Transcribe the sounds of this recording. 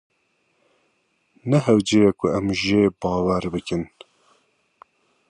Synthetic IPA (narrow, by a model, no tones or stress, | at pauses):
nɛɦɛwd͡ʒeːjɛkʰʊɛmʒeːbɑːwɛɾbɨkɨn